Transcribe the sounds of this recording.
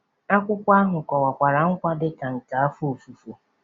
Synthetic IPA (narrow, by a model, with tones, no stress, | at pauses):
a˦kʷʊ˦kʷa˦ɦʊ˨kʷɔ˨wa˨kʷa˨ɾa˨ŋ̩˦kʷa˦dɪ˦ka˨n̩˨ta˨a˦fu˦o˨fu˨fu˨